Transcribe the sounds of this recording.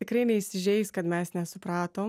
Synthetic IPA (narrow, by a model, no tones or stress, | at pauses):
ɛkɾeːniist̪iʒeiskad̪mɛːsnʲasɔpɾaːt̪o